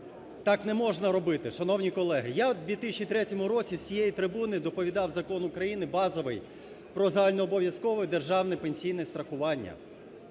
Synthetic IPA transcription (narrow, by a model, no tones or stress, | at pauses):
t̪ɑknɛmɔʒnɐɾɔbɪt̪ɪʃɐnɔwnʲikɔlˠɛɦɪjad̪ʋʲit̪ɪsʲt͡ʃʲit̪ɾɛtʲɔmʊɾɔt͡sʲisʲijejit̪ɾɪbunɪd̪ɔpɔʋʲid̪ɑwzɐkɔnʊkɾɐjinɪbɑzɔʋɪ̰j | pɾɔzɐalʲnɔːbɔʋjɐskɔʋɪd̪erʒɑwnɛpenʲsʲijnɛst̪ɾɐxʊʋɑnʲːɐ̰